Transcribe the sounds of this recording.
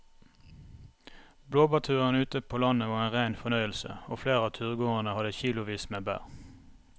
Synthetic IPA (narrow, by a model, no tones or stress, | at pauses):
bloːbɑt̪ʰʉːʁənʉːt̪əpʰoːlɑnəʋɑːʁeːnʁæɪnfɔnœʏəlsə̰oːfleːʁəɑːt̪ʰʉːʁɡoːənəhɑd̪əçiːlʊʋiːsmeːbæ̰ːʁ